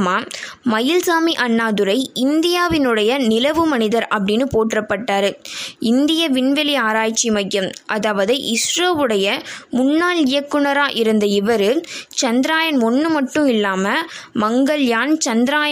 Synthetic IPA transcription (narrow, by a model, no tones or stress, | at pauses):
maːmɐjɪlsaːmiʔɐnːaːðɯɾɐɪɪnd̪ɪjaːʋɪnɯɽɐjɐnɪlɐʋɯmɐnɪðɐɾɐpːɐɽɪnːɯpoːʈrɐpːɐʈːaːɾɯɪnd̪ɪjɐʋɪɳʋɛlɪaːɾaːjt͡ʃːimɐjːɐmʔɐðaːʋɐðɐɪʔɪsɾoːʋɯɽɐjɐmʊnːaːlɪjɐkːɯnɐɾaːʔɪɾɯnd̪ɐɪʋɐɾɯt͡ʃɐnd̪ɪɾaːjɐnɔnːɯmɐʈːɯ̃mɪlːaːmɐmɐŋɡɐɭjaːnt͡ʃɐnd̪ɾaːj